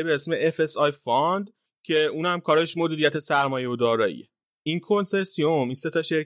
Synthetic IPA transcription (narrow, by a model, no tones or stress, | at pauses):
ibeɾæsmeʔefe̞sɒjfɒnd̪ | cʰe̞uːnhæmkʰɒːɾeʃmod̪iːɾijæt̪ʰe̞sæɾmɒːje̞od̪ɒːɾɒːḭje | inkʰo̞nse̞ɾsijo̞minse̞t̪ʰɒʃe̞ɾ